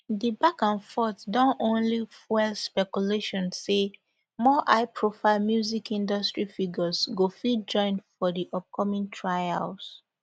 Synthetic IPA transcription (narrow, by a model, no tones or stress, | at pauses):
dibakãnfɔtdɔ̃nõnlifɛlspɛkuleʃɔ̃nse | mɔʔaɪpʰɹofalmjuzikĩndɔstɹifiɡəzɡofid͡ʒɔ̃ɪ̃ndfɔdiʔɔp̚kʰɔmĩŋtʰɹaja̰ls